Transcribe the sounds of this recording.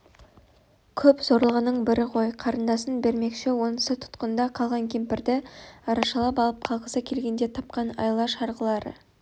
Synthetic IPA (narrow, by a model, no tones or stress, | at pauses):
kʲʰɵpz̥o̞ɾlˠəʁənəɴbɪɾɪqʰo̞jqʰɑɾənd̪ɑsənbe̞ɾme̞kʃewo̞nəsət̪ʰʊ̥t̪qənd̪ɑqʰɑlˠʁɑŋkʲʰe̞mpɪɾd̪ɪɑɾɑʃɑlˠɑp̬ɑlˠəp̚qʰɑlˠʁəsəkʲʰe̞lɡʲe̞nd̪e̞t̪ʰɑp̚qɑnɑ̰jlˠɑʃɑɾʁəlˠɑɾə̰